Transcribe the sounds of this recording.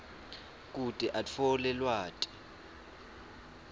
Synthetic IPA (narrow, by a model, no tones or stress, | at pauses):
k̬ʼutʼɛʔat͡fʰɔlɛlwaːtʼi̥